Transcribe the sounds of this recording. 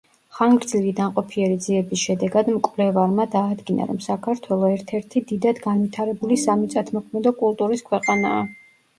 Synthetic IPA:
χaŋɡɾd̪zilid̪amqʼɔpʰiɛɾid̪ziɛbisʃɛd̪ɛɡad̪mkʼvlɛvaɾmad̪aːd̪ɡina̰ɾɔmsakʰaɾt̪ʰwɛlˠɔɛɾt̪ʰɛɾt̪ʰid̪id̪ad̪ɡanvit̪ʰaɾɛbulisamit̪sʼat̪ʰmɔkʰmɛd̪ɔkʼulˠt̪ʼuɾiskʰwɛqʼanaː

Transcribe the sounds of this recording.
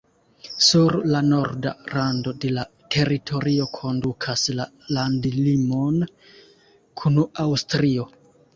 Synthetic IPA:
suɾlano̞ɾda̰ɾando̞de̞la | tʰe̞ɾitʰo̞ɾio̞kʰo̞ndukʰasla | landilimo̞n | kʰunuawstɾio̞

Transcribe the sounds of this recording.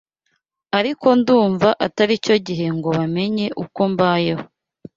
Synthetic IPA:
aɾiko̞nduːɱvaʔataɾico̞ɟiɦe̞ŋɡo̞βame̞ɲe̞ʔukombaje̞ho

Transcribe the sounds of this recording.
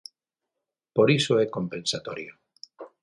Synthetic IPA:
poɾisoekompensat̪oɾjo

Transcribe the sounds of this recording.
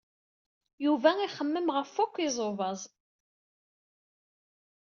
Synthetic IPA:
juvæiχəmːəmʁəfːʊkʷːizˤovɑzˤ

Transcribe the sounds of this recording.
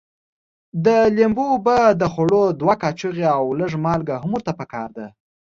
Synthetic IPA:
d̪əlembobad̪əxoɽod̪wakɑt͡ʃəɣeawləʐmɑlɡaɦʊmuɾt̪apəkɑ̰ɾd̪a

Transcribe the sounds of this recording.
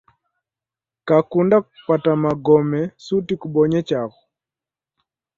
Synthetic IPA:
kakundakupatamaɡɔmɛsutikuɓɔɲɛt͡ʃaɣɔ

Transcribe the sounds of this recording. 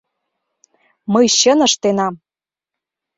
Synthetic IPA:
məjɕə̆nə̆ʃt̪enɑm

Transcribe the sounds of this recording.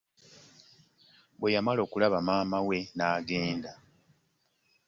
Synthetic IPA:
βwe̞jamalo̞ːkulaβamaːmawe̞naːɡe̞ːnda

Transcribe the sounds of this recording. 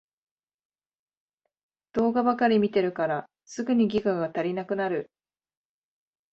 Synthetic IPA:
d̪̥o̞ːɡabakaɾʲimʲit̪e̞ɾɯ̟kaɾa | sɨɡɯ̟ɲ̟iɡʲikaɡat̪aɾʲinakɯ̟naɾɯ̟

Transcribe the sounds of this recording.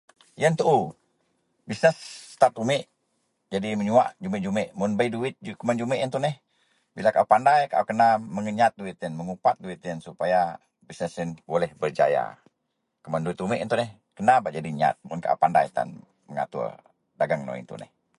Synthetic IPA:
jənt̪uʔu | bisnɛst̪at̪umɪʔ | d͡ʒadiməɲua̰ʔd͡ʒumɪʔd͡ʒumɪʔmʊnbaiduɪt̪̚d͡ʒukəmand͡ʒumɪʔint̪unɛh | bilakaʔupandajka̰ʔukənaməŋəɲat̪̚duit̪ənməŋupat̪̚duit̪ənsupaja | bisnɛsənbolɛhbərd͡ʒa̰ja̰ | kəmanduɪt̪umɪʔint̪ʊnɛh | kənabad͡ʒadiɲa̰t̪̚mʊnka̰ʔṵpanda̰jt̪a̰n | məŋa̰t̪ṵ | daɡaŋno̰ḭnt̪ṵnɛ̰h

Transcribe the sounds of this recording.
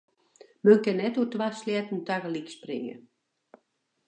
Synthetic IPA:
mənkɛnːɛtuətwaːsljɛtn̩takəliksprɪ̰ŋə̰

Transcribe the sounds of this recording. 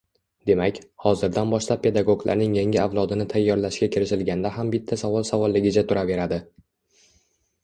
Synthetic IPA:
d̪e̞makʲhɒzɪɾd̪anbɒʃlap̚pːe̞d̪aɡo̞ɡlˠa̰ɾnɪŋjaŋʲɪavlˠɒd̪ɪnɪt̪ʰajːɒɾlaʃkʲakʲʰɪɾɪʃɪlɡʲand̪aɦambɪt̪ʰːasavɒlˠsavɒlˠːɪɡʲɪt͡ʃʰat̪ʰʊɾʔave̞ɾad̪ɪ

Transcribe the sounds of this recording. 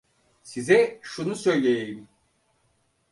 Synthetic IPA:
sizɛʃunusø̞jlʲejejim

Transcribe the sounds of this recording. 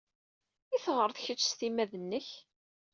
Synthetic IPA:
iθʁəɾˤθçət͡ʃːst̪imæðənːəç

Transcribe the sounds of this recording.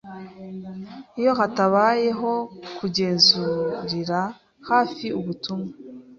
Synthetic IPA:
ijo̞hataβaːje̞ɦo̞kuɟe̞ːnzuɾiɾa | haːfiuβutumŋa

